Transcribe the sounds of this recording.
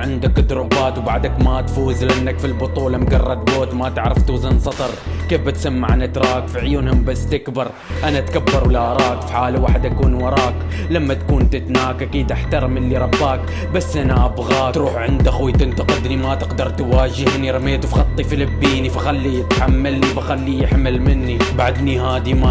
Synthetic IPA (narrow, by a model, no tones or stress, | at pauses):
ʕɪnd̪akːd̪ɾˤubaːt̪wbaʕd̪akmat̪fuːzlanːakfilbʊt̪ˤuːlɑmɡɑrˤːɑd̪̚boːt̪mat̪ɪʕɾˤɪft̪uːzɪnsˤɑt̪ˤɑɾˤkeːfbɪt̪samːaʕanat̪ɾˤɑːkfiʕjuːnhʊmbasːt̪ɪkbɑɾˤ | ʔanat̪kabːɑɾˤwlaʔɑɾˤɑːkfi̥ħaːlawaːħɪd̪ʔakuːnwɑɾˤɑːk | lamːat̪kuːnt̪ɪt̪naːkʔakiːd̪ʔaħt̪ɑɾˤmɪlːiɾˤɑbːaːk | basːʔanaʔabɣaːt̪ɾuːħʕɪnd̪axwit̪ɪnt̪aqɪd̪nimat̪ɪqd̪ɑɾˤt̪waːd͡ʒɪhniɾˤɑmeːt̪ufxɑt̪ˤːifilabːiːnifaxalːijɪt̪ħamːalnibaxalːijɪħmalmɪnːibaʕad̪nihaːd̪ima